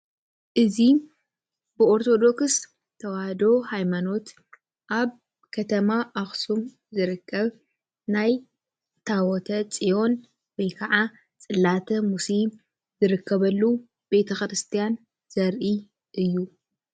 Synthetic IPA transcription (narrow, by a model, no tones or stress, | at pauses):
ʔɨzi | bɨoɾt̪ʰo̞d̪o̞ks | t̪ʰɐwahd̪o̞hajmano̞t̪ | ʔaβ | kʰɐt̪ʰɐmaʔaxsum | zɨɾɨkːɐβ | naj | t̪ʰawɔt̪ʰɐt͡sʼijo̞n | wɔjkʰɐʕa | t͡sʼɨlːat̪ʰɐmusim | zɨɾɨkʰːɐβɐlːu | b̥e̞t̪ʰɐxɾɨst̪ʰijan | z̥ɐɾʔi | ʔɨjːu